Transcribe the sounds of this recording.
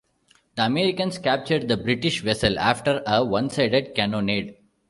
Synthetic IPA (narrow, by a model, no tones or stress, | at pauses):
d̪̥əɐmeːɾɪkə̃nskæp̚t͡ʃəɾɖ̚d̪əbɾɪʈiʃʋɛsəla̰ːfʈəɾəʋʌ̃nsaɪɖeɖ̚kæ̃noːneːɖ